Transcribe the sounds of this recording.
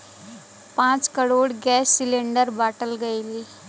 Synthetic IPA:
pãt͡skəɽoːɽɡɛsːileɳɖəɾbaʈəlɡəjli

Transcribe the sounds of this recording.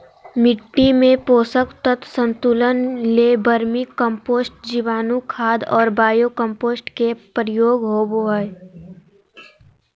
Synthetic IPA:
mɪʈːimẽpoːsəkt̪ət̪sə̃nt̪ulənlebəɾmikə̃mpoːsʈ̚d͡ʒiʋaːnukʰaːd̪ɔːɾbaːjokə̃mpoːsʈkepɾɪjoːɡɦoːboɦəj

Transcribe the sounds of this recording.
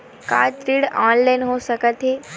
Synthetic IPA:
ka̰ːt̪ɾiːɽãːnlajnɦosəkət̪ɦeː

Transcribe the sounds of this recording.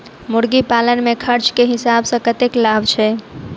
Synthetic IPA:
muɽɡipalənmekʰəɾt͡ʃkeɦisabsə̃kət̪eklabt͡ʃʰɛ

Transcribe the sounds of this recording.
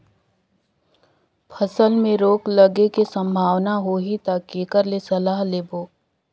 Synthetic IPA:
pʰɐsəlmẽɾoːklɐɡekesɐ̃mbʱaːwnaɦoːɦit̪aːkeːkəɾlesɐlaːɦleːboː

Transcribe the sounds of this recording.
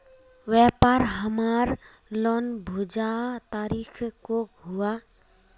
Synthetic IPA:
ʋɛːpaɾɦəmaɾ | lonbʱud͡ʒat̪aːɾikʰkoɦua

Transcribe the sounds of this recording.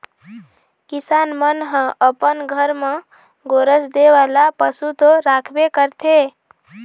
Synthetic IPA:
kisanmənɦə̃ʔəpənɡʱəɾmẽ | ɡoɾəsd̪eʋalapəsut̪oɾakʰbekəɾt̪ʰe

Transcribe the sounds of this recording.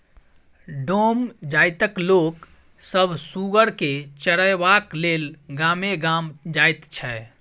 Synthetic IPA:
ɖomd͡ʒajt̪əklok | səbʱsuɡəɽket͡ʃəɽəjbaklelɡameɡamd͡ʒajt̪t͡ʃʰɛ

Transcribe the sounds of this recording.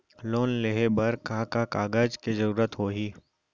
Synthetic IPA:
loːnleɦebəɾkaːkakaːɡəd͡ʒkezəɾuːɾət̪ɦoːɦiː

